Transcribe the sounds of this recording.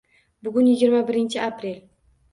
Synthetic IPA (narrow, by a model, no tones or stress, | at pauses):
bʊɡʲʊnjɪɡʲɪɾmabɪɾɪnt͡ʃʰɪapɾe̞l